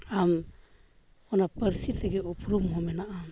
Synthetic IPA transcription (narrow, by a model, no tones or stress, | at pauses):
am | ɔnapəɾsit̪ɛɡɛupɾumɦɔmɛnaʔam